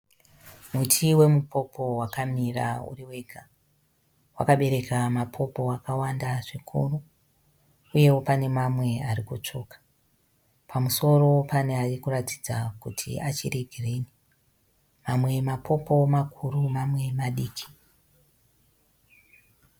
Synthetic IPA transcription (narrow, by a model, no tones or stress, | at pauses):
mutʰiwe̞mupo̞pʰo̞wakamira̰ṵriwe̞ɡʱa | wa̰kaɓe̞ɾe̞kamapʰo̞po̞akawandaʐikʰuru | uje̞wo̞pane̞mamwe̞aɾikut͡ʂo̞kḁ | pʰamuso̞ro̞pane̞arikurati̥d͡zakutʰḭat͡ʃḭreɡʱireni | mamwe̞mapʰo̞po̞makʰurumamwe̞maɗiːkʰi̥